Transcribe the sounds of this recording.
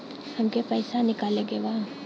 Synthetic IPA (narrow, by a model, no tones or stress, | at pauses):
hɐmkepɛɪsanɪkaːleɡeʋãː